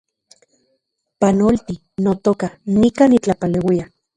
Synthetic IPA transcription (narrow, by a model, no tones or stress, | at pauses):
panolt̪i | not̪okanikaːnit͡ɬapalewia